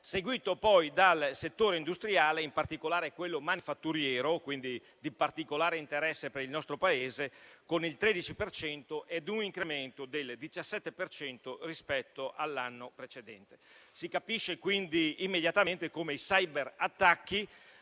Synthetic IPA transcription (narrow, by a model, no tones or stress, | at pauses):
seɡwiːt̪opɔjd̪alset̪ːoːɾeind̪ust̪ɾiaːleimpart̪ikolaːɾekwelːomanifat̪ːuɾjɛːɾokwind̪i | d̪ipart̪ikolaːɾeint̪eɾɛsːepeɾilnɔst̪ɾopaeːzekonilt̪ɾed̪it͡ʃipert͡ʃɛnt̪oʔɛd̪uniŋkɾement̪od̪eld̪it͡ʃasːɛt̪ːepert͡ʃɛnt̪orispɛt̪ːoʔalːanːopɾet͡ʃed̪ɛnt̪e̥sikapiʃːekwind̪iːmːed̪jat̪ament̪ekoːmeisajbeɾat̪ːakːi